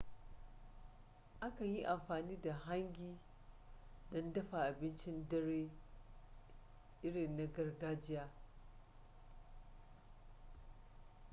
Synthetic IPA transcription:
ʔa˦ka˨ji˦ʔa˨mɸaː˨niː˦da˨ɦa˦ŋɡʲiː˦ | dɔ˦ndɐ˦ɸa˨ʔa˨bɪ˦nt͡ʃɪ˦ndɐ˦ɽeː˦ | ʔɪ˦ɽɪ˨nːa˦ɡɐ˦rɡaː˦d͡ʒɪ˦jaː˦

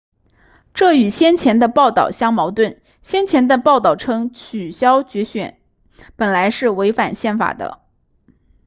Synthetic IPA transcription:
ʈ͡ʂɤ˥˩y˨˩ɕjɛ˥nt͡ɕʰjɛ˧˥nd̪ə˧pɑ˥˧ʊt̪ɑ̰˥˩ʊɕjɑ˥ŋmɑ˧˥ʊt̪wə˥˩n | ɕjɛ˥nt͡ɕʰjɛ˧˥nd̪ə˧pɑ˥˧ʊt̪ɑ˥˩ʊʈ͡ʂʰɤ˥ŋt͡ɕʰy˨˩ɕjɑ˥ʊt͡ɕɥɛ˧˥ɕɥɛ̰˨˩˥n | pə˨˩nla˧˥ɪʂɻ̩˥˩we˧˥ɪfa˨˩nɕjɛ˥˩nfa̰˨˩d̪ə̰˦

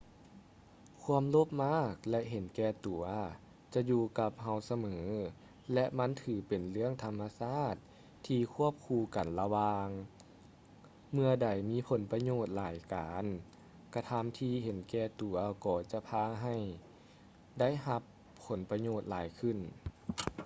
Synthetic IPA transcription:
kʰu˧˥əmlo˦˥˩p̚maː˥˩k̚lɛ˧ʔɦe˨˦nkɛː˧t̪u˨˩˦ɐ | t͡ɕa˧juː˧ka˧p̚ɦa˧˩wsa˧mɤː˩˦ | lɛ˧ʔma˧˥nt̪ʰɯː˨˩˦pe˨˩nlɯ˥˩əŋt̪ʰa˧mːa˧saː˥˩t̪̚ʰː | iː˧kʰu˧˥˩əp̚kʰuː˧ka˨˩nla˧waː˧ŋ | mɯ˧ɐda˨˩jmiː˧˥pʰo˨˩˦npa˧ɲoː˧˩t̪̚laː˨˦jkaː˨n | ka˧t̪ʰa˧˥˨mt̪ʰiː˧ɦe˨˦nkɛː˧˩t̪u˨˩˦ɐkɔː˨˩t͡ɕa˧pʰaː˧ɦa˧˩j | da˥˨jɦa˧˦pʰː | o˨˩˦npa˧ɲoː˧˩t̪̚laː˨˩˦jkʰɯ˧˩˨n

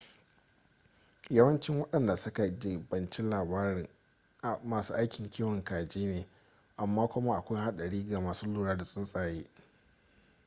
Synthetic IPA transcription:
jɐ˦wɐ˦nt͡ʃɪ˦ŋwɐ˦ɗɐ˨nda˨sʊ˦ka˨d͡ʒɪ˨bɐ˨nt͡ʃɪ˦laː˨baː˦ɾɪ˨ŋ˨ | maː˨suː˦ʔa˦jkʲɪ˨ŋkʲiː˦wɐ˨ŋkaː˨d͡ʒiː˦neː˨ | ʔa˨mːaː˦kʷʊ˦ma˦ʔa˨kʷa˦jɦa˦ɗɐ˨ɽiː˦ɡa˨maː˨suː˦luː˦˨ɽaː˦da˨sʼʊ˦nsʼaː˨jeː˦ʔ

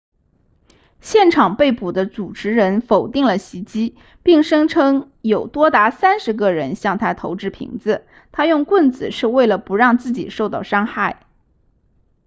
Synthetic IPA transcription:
ɕjɛ˥˩nʈ͡ʂʰɑ˨˩ŋpe˥˩ɪpu˨˩d̪ə˦t͡su˨˩ʈ͡ʂʰɻ̩˧˥ɻə˧˥nfo˨˩ʊt̪i˥˩ŋlə˩ɕi˧˥t͡ɕi˥ | pi˥˩ŋʂɤ˥ŋʈ͡ʂʰɤ˥ŋ | jo˨˩ʊt̪wɔ˥t̪a˧˥sa˥nʂɻ̩˧˥k̬ɤ˥˩ɻə˧˥nɕjɑ˥˩ŋt̪ʰa˥t̪ʰo˧˥ʊʈ͡ʂɻ̩˥˩pʰḭ˧˥ŋd͡zɹ̩˧ | t̪ʰa˥jʊ˥˧ŋkwə˥˩nt͡sɹ̩˨˩ʂɻ̩˥˧we˥˩ɪlə˩pu˧˥ɻɑ˥˧ŋt͡sɹ̩˥˩t͡ɕḭ˨˩ʂo˥˧ʊt̪ɑ˥˩ʊʂɑ˥ŋxa˥˩ɪ

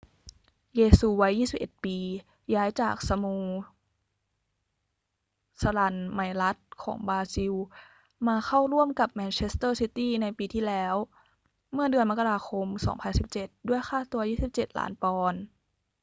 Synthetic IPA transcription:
jeː˧suː˧wa˦˥jːiː˥˩si˨˩p̚ʔe˨˩t̪̚piː˧ | jaː˦˥jt͡ɕa̰ː˨˩k̚sa˧muː˧ | sa˧la˧˩nma˧˩jla˦˥t̪̚kʰɔ̰ː˩˦ŋbaː˧si˧w | maː˧xʰa˥˩wɾu˥˩əmka˨˩p̚mɛː˧nt͡ɕʰe˦˥st̪ɤː˥˩si˦˥t̪iː˥˩na˧jpiː˧t̪ʰiː˥˩lɛː˦˥w | mɯ˥˩ɐdɯ˧ənma˥ka˧ɾaː˧xʰo˧msɔ̰ː˩˦ŋpʰa˧nsi˨˩p̚t͡ɕe˨˩t̪̚du˥˩əjxʰaː˥˩t̪u˧ɐjiː˥˩si˨˩p̚t͡ɕe˨˩t̪̚lʔa̰ː˩˦npɔː˧n

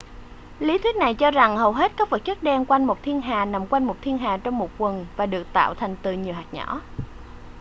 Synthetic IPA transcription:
li˨˦t̪ʰi˦˥k̚na˨˩jt͡ɕɔ˧za˨˩ŋhə˨˩wɦe˦˥t̚kaː˦˥k̚və˨˩t̚t͡ɕə˦˥k̚ɗɛ˧nkwa˧jŋmo˨˩t̚t̪ʰi˧ənɦaː˨˩na˨˩mkwa˧jŋmo˨˩t̚t̪ʰi˧ənɦaː˨˩t͡ɕɔ˧wŋ͡mmo˨˩t̚kwə˨˩nvaː˨˩ɗɨ˨˩ək̚t̪a̰ː˧˨wt̪ʰa˨˩jŋ̟t̪ɨ˨˩ɲi˨˩əwɦaː˨˩t̚ɲɔ̰˧˥˦

